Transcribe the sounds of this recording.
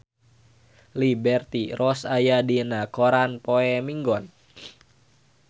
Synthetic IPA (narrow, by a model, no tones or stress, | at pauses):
libɛrt̪irʔɔsajadinakoɾanpoɛmiŋɡɔn